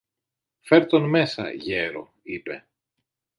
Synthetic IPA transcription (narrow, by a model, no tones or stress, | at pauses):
fe̞ɾt̪o̞nme̞sɐ̰ʝeɾo̞̰ | ipe̞